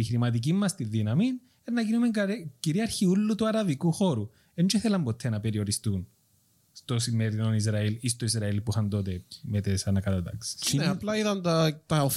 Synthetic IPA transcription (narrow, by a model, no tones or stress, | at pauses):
içɾimɐt̪̬ic̬imːɐst̪iðːinɐmin | enːɐkinumeŋɐciɾiɐɾçiulːut̪uɐɾɐvikuxoɾu | ent͡ʃiθelɐmbot̪ʰːenɐpe̞ɾioɾist̪un | st̪osimːeɾinonizɾɐilist̪oizɾɐilpuixɐnt̪o̞t̪̬emet̪esɐnɐkɐt̪ɐt̪ɐ̰ksi̥sneplɐiðɐnt̪ɐt̪ɐo